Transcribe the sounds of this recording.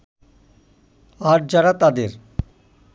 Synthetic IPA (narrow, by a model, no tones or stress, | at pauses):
aɾd͡ʑaɾat̪ad̪eɾ